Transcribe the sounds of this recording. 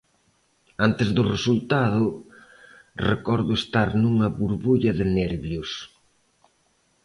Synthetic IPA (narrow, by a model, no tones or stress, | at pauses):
ant̪ɪzðʊresult̪aðʊ | rekɔɾðʊest̪aɾnuŋɐβuɾβuʎɐðɪnɛɾβjʊs